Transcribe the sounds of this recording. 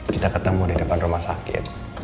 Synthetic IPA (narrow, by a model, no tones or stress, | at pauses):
kit̪akət̪əmudidəpanrumahsakɪ̰t̪̚